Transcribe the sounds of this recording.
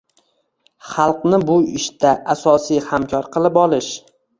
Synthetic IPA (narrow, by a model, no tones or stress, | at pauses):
χɑlˠqnɪbʊɪʃt̪aʔasɒsijhamkʲʰɒɾqʰɨlˠɪpɒlˠɪʃ